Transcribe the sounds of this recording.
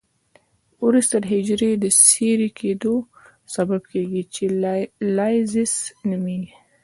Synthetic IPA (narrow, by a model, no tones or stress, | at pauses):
uɾust̪əɾɦɪd͡ʒɾed̪əseɾikʰed̪o | sabab̚keɡit͡ʃelɑjzɪsnəmi